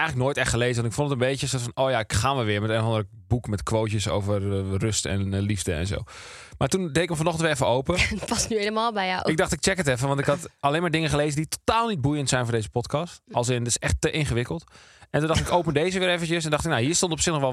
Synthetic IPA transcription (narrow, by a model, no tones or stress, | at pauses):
ɛjxŋlək̚noːjtɛxtχəlejzəʋɑntɪkfondətənbejcəsoɹtfɑnoːjaɪkxaːnʋɛlˠʋɪːmɛtenɔfɑ̃ndərə | bukmɛtkʋowtəso̰wvərrøstɛ̰nlivdəɛ̰nzo̰wmaːtundejɪkəmfanɔxəntʋɪɛfəowpəpɑsnyejləmaːlˠbɛaɪɡ̚dɑχtɪk̚t͡ʃɛkətɛfəʋɑntɪkɦɑtalejnmaːɹdɪŋəχəleːzənditotaːlˠnid̚bujəntsɛjnfʊɹdejzəpɔtkɑstɑlˠs̬ɪnətɪ̥sɛxtːəʔɪnχəʋɪkəlˠt | ʔɛntundɑχtɪkowpəndeːzəʋɪːɾɛfənəsɛndɑχtɪknaɦiːɹstõntɔpsɪxnɔxʋɛ